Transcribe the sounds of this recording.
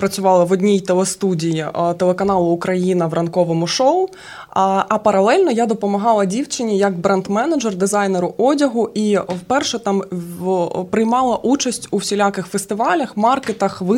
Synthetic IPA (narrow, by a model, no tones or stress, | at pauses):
pɾɐt͡sʲʊʋɑlˠɐʋɔdʲnʲijt̪elˠɛst̪udʲijit̪ɛlˠekɐnɑlˠʊːkɾɐjinɐʋrʔɐnkɔʋɔmʊʃɔʊ | ɐpɐɾɐlˠɛlʲnɔjad̪ɔpɔmɐɦɑlˠɐdʲiwt͡ʃɪnʲːijɐkbɾɛnd̪mɛnɐd͡ʒɛrd̪ɪzɑjneɾʊʔɔdʲɐɦʊʔiwpɛrʃɛt̪ɑm | pɾɪjmɑlˠɐʔut͡ʃɐsʲtʲuwsʲilʲakɪxfest̪ɪʋɑlʲɐxmɑrket̪ɐxʋɪ